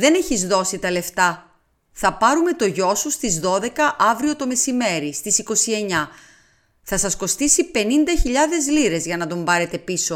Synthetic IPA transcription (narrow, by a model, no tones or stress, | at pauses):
ðe̞ne̞çizðo̞sit̪ɐle̞ft̪ɐ | θɐpɐɾume̞t̪o̞ʝo̞sust̪izðo̞ðe̞kɐʔɐvɾio̞t̪o̞me̞sime̞ɾist̪isiko̞sie̞ɲɐ | θɐsɐsko̞st̪isipe̞nind̪ɐçiʎɐðe̞zliɾe̞zʝɐnɐd̪o̞mbɐɾe̞t̪e̞piso̞